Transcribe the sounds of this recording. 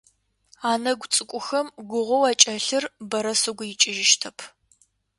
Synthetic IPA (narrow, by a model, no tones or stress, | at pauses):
aːnɐɡʷt͡sʼɨkʷʼʊxɐmɡʷʊʁʷɔwaːt͡ʃʼɐɬɨrbɐɾɐsɨɡʷʊjɪt͡ʃʼɪʒɪʃtʰɐpʰ